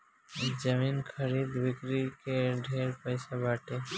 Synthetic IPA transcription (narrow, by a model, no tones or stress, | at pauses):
d͡ʒəmiːnkʰəɾiːd̪bɪkɾikeɖʱeːɾpəɪsabaːʈe